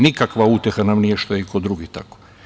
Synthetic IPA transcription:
nikakʋaut̪ʲjexanamnijeʃt̪ojeikod̪ɾuɡit̪ako̥

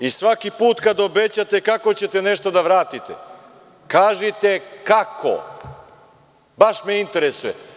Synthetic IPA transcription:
isʋakipuːt̪kad̪obet͡ɕat̪e̞kakot͡ɕe̞t̪e̞neʃt̪od̪aʋɾaːt̪it̪ḛ | kaːʒit̪e̞kakʰo̰ | baʃmeint̪e̞ɾesujḛ

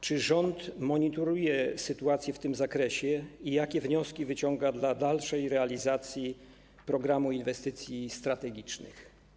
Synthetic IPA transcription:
t͡ʂɘʐɔnt̪mɔɲit̪ɔɾujɛsɘt̪uat̪sʲjɛft̪ɘmzakɾɛɕɛijakʲɛvɲɔskʲivɘt͡ɕɔŋɡad̪lad̪alʂɛjɾɛalʲizat̪sʲji | pɾɔɡɾamuinvɛst̪ɘt̪sʲjist̪ɾat̪ɛɡʲit͡ʂnɘ̰x

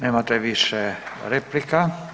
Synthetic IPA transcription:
nemat̪eʋisːereplika

